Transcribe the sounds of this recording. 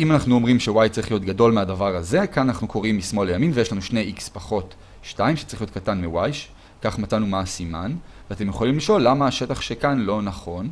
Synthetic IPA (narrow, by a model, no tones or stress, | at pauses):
ʔimanaχnuo̞mʁimʃewajtt͡saʁiχlijo̞t̪ɡado̞lmeadavaʁaze̞kananaχnukʰo̞ʁimːismo̞lejaminvejeʃlanuʃne̞jʔikspaχo̞t | ʃtaimʃe̥t͡saʁilijot̚katanmiwajʃ | kaχmat͡sanumasimanveate̞mjeχolimliʃo̞lːamaːʃe̞taχʃekanlo̞naχo̞n